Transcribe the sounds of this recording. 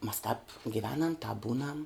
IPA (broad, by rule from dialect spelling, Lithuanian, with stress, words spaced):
mɐs tɑːp ɡʲɪˈʋʲæːnɐm tɑːp ˈbuːnɐm